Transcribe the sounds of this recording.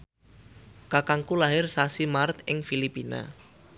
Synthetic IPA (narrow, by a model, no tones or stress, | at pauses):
kakaŋkulaɦɪrsasimart̪ʔɪŋfilipina̰